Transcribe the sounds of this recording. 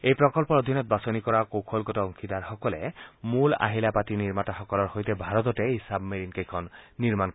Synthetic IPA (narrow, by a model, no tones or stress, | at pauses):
ejpɹɔkɔlpɔɹod̪ʱinɔt̪̚basɔnikɔɹakowkʰolkɔtɔɔŋkʰid̪aɹxɔkɔlɛmula̰ɦilapatiniɹmataxɔkɔlɔɹxojtɛbʱaɹɔt̪ɔtɛijsabmeɹinkejkʰɔnːiɹmank